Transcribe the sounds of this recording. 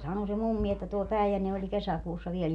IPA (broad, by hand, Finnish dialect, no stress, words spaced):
sɑno se mumːi etːæ tuo pæˑijænːe olʲ kesækuːsːɑ ʋiel